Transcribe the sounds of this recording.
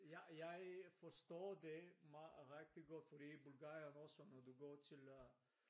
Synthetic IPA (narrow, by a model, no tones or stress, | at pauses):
jæjɑ̈ɪfɒsd̥ɔ̰ːdemɑʁɛɡ̥̚d̥iɡɔd̥fɔd̥ḭːbulɡ̥ɑːjɐnɔsɔnːɒd̥uɡɔ̰ːt͡sʰe̝l